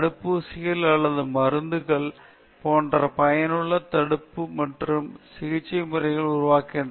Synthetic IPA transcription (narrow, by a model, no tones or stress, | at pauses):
ɐɽɯpːusɪjɐlɐɭːɐðɯmɐɾɯnd̪ɯɣɐɭ | poːɳɖrɐpɐjɐnɯɭːɐt̪ɐɽɯpːɯmɐʈrɯmsɪɣɪt͡ʃːɐɪmɯrɐɪɣɐɭʊrʊʋaːkeːɳɖ